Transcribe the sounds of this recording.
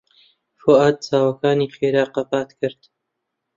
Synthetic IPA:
foːʔaːd̪̚t͡saːwɐkaːniːχeːɾaːqɐpaːt̪kʰɨɾd̪

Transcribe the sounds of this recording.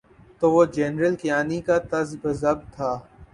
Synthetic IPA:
t̪oːʋoːd͡ʒɛːnɾəlkɪjaːnikat̪ɐzbɐzɐb̚t̪ʰaː

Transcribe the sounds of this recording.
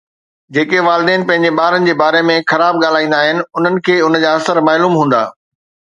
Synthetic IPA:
d͡ʑeːkeʋaːlɪd̪ẽːnɪ̆pɐ̃ɦɪ̃ɲ̆d͡ʑeɓaːɾənɪ̆d͡ʑeːbaːɾemẽxɐɾaːb̚ɠaːl̤aːĩːnd̪aːɦɪnɪ̆ʊn̤ənɪ̆kʰeːʊnəd͡ʑaːɐsəɾmaːluːmɦũːn̆d̪a̰ː

